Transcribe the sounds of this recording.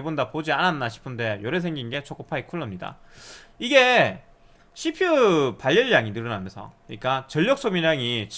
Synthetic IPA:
ebondapod͡ʑiananːaɕʰi̥pʰɯnde̞joɾesʰe̞ŋɡinɡe̞t͡ɕʰok͈opʰaikʰuɭːʌmɲida̰ | iɡe̞ | ɕʰipʰjupaʎːʌɭjaŋinɯɾʌnamjʌnsʰʌ̰kɯɲik͈at͡ɕʌʎːʌk̚s͈omiɾaŋit͡ɕ

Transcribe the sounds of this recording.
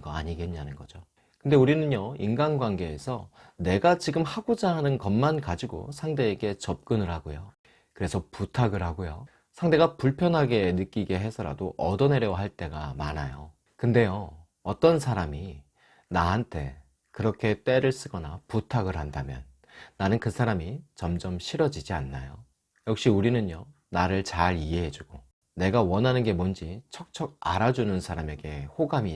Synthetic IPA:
ɡʌa̰ɲiɡe̞nɲanɯnɡʌd͡ʑo | kɯnde̞uɾinɯnjʌinɡanɡwanɡe̞ːsʰʌne̞ɡat͡ɕiɡɯmhaɡod͡ʑaɦanɯnkʌmːankad͡ʑiɡo̰sʰaŋde̞ːɡe̞t͡ɕʌp̚k͈ɯnɯɾɦaɡojo | kɯɾe̞sʰʌputʰaɡɯɾɦaɡojo | sʰaŋde̞ɡapuɭpʰjʌnɦaɡe̞nɯk͈iɡe̞ɦe̞sʰʌɾa̰doʔʌdʌne̞ɾjʌwɦaɭt͈e̞ɡamanajo̰ | kɯnde̞jo | ʌt͈ʌnsʰaɾami | naɦantʰe̞ | kɯɾʌkʰe̞t͈e̞ɾɯɭs͈ɯɡʌnaputʰaɡɯɭɦandamjʌ̰nː | anɯnkɯsʰaɾamit͡ɕʌmd͡ʑʌmɕʰiɾʌd͡ʑid͡ʑianːajo | jʌk̚ɕ͈iuɾinɯnjʌ | naɾɯɭt͡ɕaɾiɦe̞ɦe̞d͡ʑuɡ̥o | ne̞ɡawʌnɦanɯnɡe̞mond͡ʑit͡ɕʰʌk̚t͡ɕʰʌɡ̚aɾad͡ʑunɯnsʰaɾame̞ɡe̞hoɡami

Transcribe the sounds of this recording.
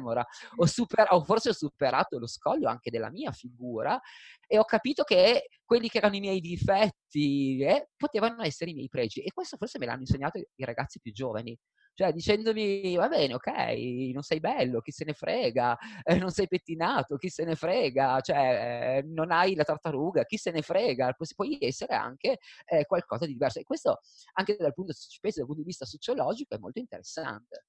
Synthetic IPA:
moɾa̰ɔsupeɾaɔfːorseɔsːupeɾʔa̰ːt̪oloskɔʎːoa̰ŋk̟ed̪elːa̰miːafiɡuːɾaeɔkːapiːt̪okekːwelːikeɛːɾanoimjɛjd̪ifɛt̪ːiɛpːot̪eːvanoɛsːeɾeimjɛ̰jpɾɛːd͡ʒiekːwest̪oforsemelaa̰nːoinseɲːaːt̪oiɾaɡat̪sːipjud͡ʒːoːva̰ni | t͡ʃoɛd̪it͡ʃɛnd̪omivabɛːneokɛ̰jnonsajbɛlːok̟isenefɾʔɛːɡanonsɛjpet̪ːinaːt̪ok̟isenefɾɛːɡat͡ʃoɛnonajlat̪art̪ːaɾuːɡak̟isenefɾɛːɡapspwɔjɛsːeɾḛa̰ŋkekwalkɔːzad̪id̪ivɛrsoekːwest̪o | aŋked̪alpunt̪ospesdalpunt̪od̪ivist̪asot͡ʃolɔːd͡ʒikoɛmːo̰lt̪oint̪ḛɾesːa̰nt̪e

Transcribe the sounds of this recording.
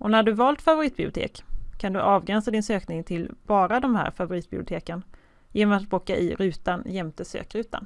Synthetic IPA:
ʔɔnæɖɵvɑːlt̪favʊɾiːt̪̚b̥ɪʊt̪ʰḛːkkʰːand̪ɵʔɑːvɡɾɛnsad̪ɪnsøːknɪŋt̪ʰɪlb̥ɑːɾad̪ɔmhæ̰ːɾfavʊɾiːt̪̚b̥ɪbʊt̪ʰeːkən | jeːnɔmat̪boːkːaʔɪ̰ɾʉ̟ːt̪anjɛmt̪əsø̰ːkɾʉ̟ːt̪a̰n

